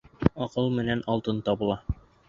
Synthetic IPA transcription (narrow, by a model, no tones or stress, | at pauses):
ɒqɤlˠmɘ̆nænɒlˠt̪ɤnt̪ɒbɤ̆lˠɑ